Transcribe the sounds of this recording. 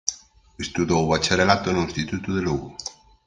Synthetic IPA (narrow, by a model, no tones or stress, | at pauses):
est̪uðowβat͡ʃaɾelat̪onoĩst̪it̪ut̪uðeluɣu